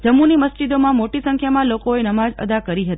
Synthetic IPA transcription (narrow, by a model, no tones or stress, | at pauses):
d͡ʒəmːuniməsd͡ʒid̪omãmoʈisə̃ŋkʰjamãlokoenəmad͡ʒə̰d̪akəɾiɦət̪i̥